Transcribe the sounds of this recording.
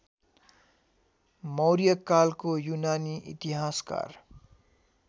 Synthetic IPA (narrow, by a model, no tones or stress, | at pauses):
mʌwɾijʌkːalkojunaniʔḭt̪iɦaska̰r